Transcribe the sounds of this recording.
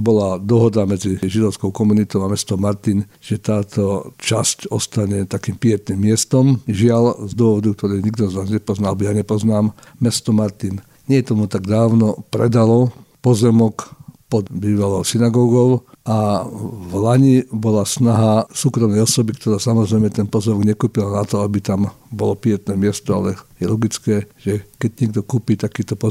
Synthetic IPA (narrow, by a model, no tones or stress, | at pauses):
bɔlad̪ɔɦɔd̪amɛd͡ziʒid̪ɔʊskɔʊkɔmunit̪ɔʊamɛst̪ɔmaɾt̪inʒ̥ɛt̪aːt̪ʰɔt͡ʃascɔst̪aɲɛt̪akiːmpɪɛt̪nimːɪɛst̪ɔmʒɪalzd̪ʊɔʋɔd̪uk̚t̪ɔɾɛjɲiɡd̪ɔznaːzɲɛpɔznaaɛbɔjaɲɛpɔznaːmː | ɛst̪ɔmaɾt̪in | ɲɛt̪ɔmut̪aɡd̪aːʊnɔpɾɛd̪alɔpɔzɛmɔkpɔd̪biːʋalɔʊsinaɡɔːɡɔʊavlaɲibɔlasnaɦasuːkɾɔmnɛjɔsɔbikt̪ɔɾaːsamɔzɾɛjmɛt̪ɛnpɔzɛmɔɡɲɛkuːpilanat̪ɔabit̪ambɔlɔpɪɛt̪nɛːmɪɛst̪ɔa̰lɛjɛlɔɡit͡skɛːʒɛkɛɟɲɪɛɡ̚d̪ɔkuːpiːt̪akiːt̪ɔpɔ